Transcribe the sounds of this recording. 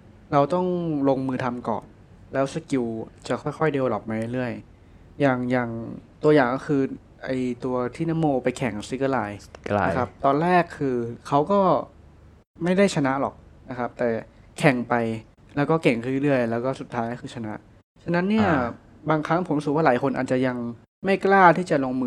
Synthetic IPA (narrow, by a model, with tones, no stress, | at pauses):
ɾa˧wt̪ɔ˥˩ŋlo˧ŋmɯː˧t̪ʰa˧mkɔ̰ː˨˩n | lɛː˦˥wsa˧ki˧wt͡ɕa˨˩kʰɔː˥˩jxʰɔ˥˩jde˧wlɔ˨˩p̚maː˧ɾjɾɯ˥˩əj | jaː˨˩ŋjaː˨˩ŋt̪u˧ɐjaː˨˩ŋkɔː˥˩kʰɯː˧ | ʔa˧jt̪u˧ɐt̪ʰiː˥˩na˦˥mːoː˧pa˧jkʰɛ˨˩ŋsi˧˦˥kɯ˧˩laː˧jkʰa˦˥p̚t̪ɔː˧nɾɛː˥˩kʰːɯː˧kʰa˦˥wkɔː˥˩ | ma˥˩jda˥˩jt͡ɕʰa˧na˦˥ʔlɔ̰˨˩k̚na˦˥kʰa˦˥p̚t̪ɛː˨˩kʰɛ˨˩ŋpa˧j | lɛː˦˥wkɔː˥˩ke˨˩ŋkʰa˥˩ɾlɯ˥˩əjlɛː˦˥wkɔː˥˩su˨˩t̪ʰːaː˦˥jkɔː˥˩xʰɯː˧t͡ɕʰa˧na˦˥ʔ | t͡ɕʰa˧nːa˦˥nːi˥˩ɐ | baː˧ŋkʰa˦˥ŋpʰo˩˦m˦sɯː˨˩˦waː˥˩lːjkʰo˧nʔaː˨˩t̪̚t͡ɕa˨˩ja˧ŋ | ma˥˩jklaː˥˩t̪ʰiː˥˩t͡ɕa˨˩loː˧ŋmɯː˧